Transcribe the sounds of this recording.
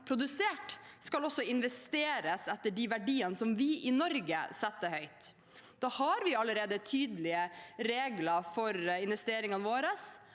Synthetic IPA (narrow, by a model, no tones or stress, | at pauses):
pʰɾʊd̪ʉseːʈskɑlɔsːɔɪnʋɛst̪eːɾəsɛt̪ːəɖiːʋæɖiːənəsɔmʋɪʔɪnɔɾɡə̰sɛt̪ːəhœʏt̪ | d̪̥ɑːhɑɾʋɪɑləɾeːd̪ət̪ʰyːd̪əlɪəɾeːɡlɑfɔɾɪnʋɛst̪eːɾɪŋɑnʋoːɾəs